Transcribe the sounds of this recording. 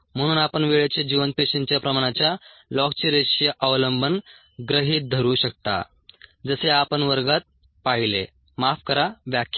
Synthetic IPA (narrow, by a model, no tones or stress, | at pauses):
m̤əɽ̃uːnapəɳʋeɭjet͡ɕed͡ʑiʋənpeɕent͡ɕjapɾəmaɽ̃at͡ɕja | lɔk̚t͡ɕiɾeɕjəʔaʋləmbʱən | ɡɾəɦiːt̪̚d̪ʱəɾuːɕək̚t̪a̰ | d͡zəseapənʋəɾɡat̪̚ | paɦilḛ | mafkəɾaʋjakʰj